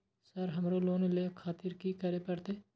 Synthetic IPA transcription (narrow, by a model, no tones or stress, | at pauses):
səɾɦəmɾoːloːnlekʰaːt̪ɪɾkikəɾepəɾt̪eː